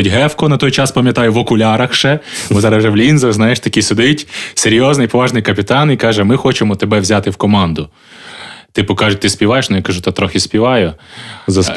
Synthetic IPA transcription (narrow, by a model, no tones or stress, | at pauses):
tʲɦɛfkɔnɐt̪ɔjt͡ʃɑspɐmʲjɐt̪ɑjʊʋɔkʊlʲɑɾɐxʃɛbʊzɑɾɐsʒɛʋlʲinzɐznɑjeʃt̪ɐkʲisʊd̪ɪtʲseɾʲjɔznɪjpɔʋɑʒnɪjkɐpʲɪt̪ɑnikɑʒɛmɪxɔt͡ʃemɔt̪ebɛʋzʲat̪ɪwkɔmɑnd̪ʊ | t̪ɪpɔkɑʒʊt̚ʲt̪ɪsʲpʲiʋɑjeʃnʊjakɐʒut̪ɑt̪ɾɔxʲɪsʲpʲiʋɑjʊzɐs